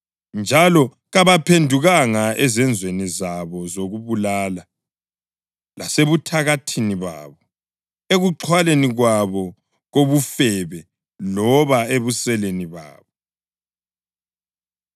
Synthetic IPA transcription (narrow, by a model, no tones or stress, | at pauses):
nd͡ʒʱalɔ | ɣaβapʰendʱuɣaŋaɛzɛnd͡zʱwenizaβɔzoɣuβulaːla | laseβutʰaɣatʰiniβa̰ːβɔ | eɣuǁʰwaleniɣwaβɔ | ɣoβufɛβɛ | lɔβaeβusɛleniβa̰ːβɔ